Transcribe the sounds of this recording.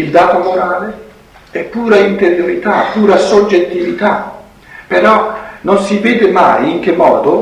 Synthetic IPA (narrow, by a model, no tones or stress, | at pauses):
ild̪aːt̪omoɾaːle | ɛpːuːɾaint̪eɾjoɾit̪a̰pːuːɾasod͡ʒːet̪ːivit̪a | pːeɾɔnonsivɛːd̪ema̰jiŋk̟emːɔ̰ːd̪o